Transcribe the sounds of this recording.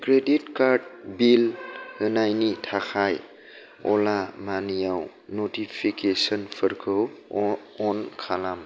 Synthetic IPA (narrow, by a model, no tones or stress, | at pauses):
kɾeditkaɾdbilhɯnajnitʰakʰaj | ɔ̰lamanijaw | notipʰikesɔnpʰəɾkʰɯw | ɔnkʰalam